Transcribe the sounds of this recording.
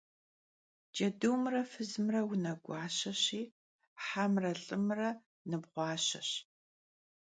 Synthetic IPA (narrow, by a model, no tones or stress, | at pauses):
d͡ʒʼɐduwmrɐfɨzmrɐwʊnɐɡʷɑːɕɐɕiː | ħamrɐɬʼɨmrɐ | nɨbʁʷɑːɕɐ̰ɕ